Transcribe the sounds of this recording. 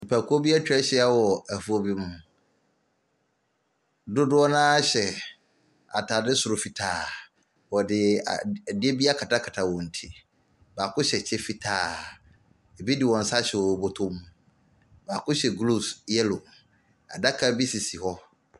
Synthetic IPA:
pʰa˨kʰʊ˦o˦bi˦a˦t͡ɕᶣɾɛ˦ɕɛ˦a˦wɔ˨æ˨fu˨ɔ˨bi˦mʊ̃˨ | dʊ˦dʊ˦ɔ˦nãː˦ɕɛ˨ | a˨tʰa˨dɪ˦sʊ˨ɾʊ˨fi˨tʰaː˦˨ | wɔ˨dɪ˨dɪ˦e˦bi˦a˦kʰa˨tʰa˦kʰa˨tʰa˨wɔ̃˨n̩˨tʰi˨ | ba˨kʰʊ̃˦ɕɛ˨t͡ɕʰɛ˦fi˦˨tʰaː˨ | e˨bi˦dɪ˨wɔ̃˨n̩˨sa˦ɕɛ˨wɔ˨bo˦tʰʊ̃˦mũ˨ | ba˨kʰʊ̃˦ɕɛ˨ɡlu˦˨sjɛ˦lo˨ | a̰˨da˦kʰa˦bi˦si˨si˨hɔ˦

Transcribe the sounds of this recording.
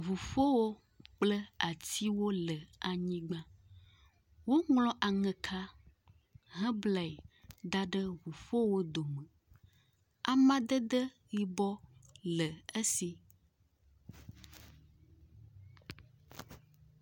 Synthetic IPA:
vu˨fo˦wo˦ | k͡plə˦a˨t̪i˦wo˦lə˨a˨ɲĩ˦ɡ͡bã˦ | wo˦ŋlɔ̃˦ʔa˨ŋɛ̃˨kʰa˦ | ɦə̃˦bla˨i˨d̪a˦ɖə˦vu˨fo˦wo˦d̪o˨mə̃˨ | a˨mã˦d̪ə˦d̪ə˦ | ɣi˨bɔ˦lə˨ə˦si˦

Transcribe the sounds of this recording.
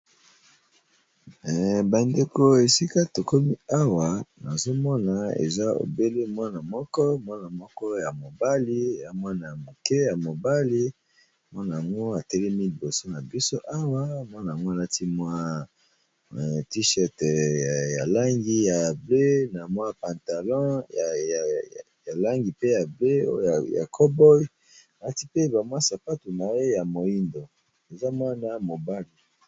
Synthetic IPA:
ba˨nde˨ko˨e˨si˦ka˦to˨ko˦mi˦a˦wa˨na˨zo˦mɔ˦na˨ḛ˨za˦o̰˨be˦le˦mwa˦na˨mɔ˦kɔ˦mwa˦na˨mɔ˦kɔ˦ja˨mo˨ba˦li˦˨ja˦mwa˦na˨mo˨kɛ˦ja˨mo˨ba˦li˦ | mwa˦na˨a˨ŋɡo˦a˨tɛ˦lɛ˦mi˦li˨bo˨so˦na˨bi˦so˦ʔa˦wa˦˨mwa˦na˨ŋɡo˦a˨la˦ti˦mwa˦˨ | ti˦ʃɛ˦tja̰˨la˦ŋɡi˦ja˨ble˦na˨mwa˦pã˨nta˨lɔ̃˦j | ja˨la˦ŋɡi˨pe˦ja˨ble˦o̰˦ja˨ja̰˨kʰɔ˦bɔ˦j | a˨la˦ti˦pe˦ba˨mwa˦sa˨pa˦tu˨na˨je˦ja˨mo˨i˦ndo˨ | e˨za˦mwa˦na˦mo˨ba˦li˨

